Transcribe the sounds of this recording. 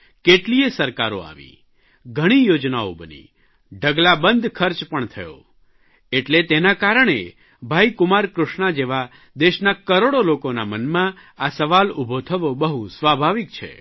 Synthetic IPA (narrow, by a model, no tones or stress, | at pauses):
keʈliesəɾkaɾo̰a̰ʋḭ | ɡʱəɽ̃ijod͡ʒnao̰bənḭ | ɖʱəɡlabənd̪ʱkʰəɾt͡ʃpəɳt̪ʰəjo̰ | eʈlet̪enakaɾəɳ̃ḛ | bʱaikʊmaɾkɾʊʃnad͡ʒeʋa | d̪eʃnakəɾoɽolokonamənmãasəʋalubʱot̪ʰəʋobəɦusʋabʱaʋikt͡ʃʰḛ